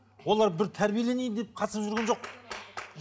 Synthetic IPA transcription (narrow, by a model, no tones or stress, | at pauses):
wo̞lˠɑɾbɪɾt̪ʰæɾbijele̞nejd̪ɪd̪ep̚qʰɑsəpʒʏɾɡʲenʒo̞q̚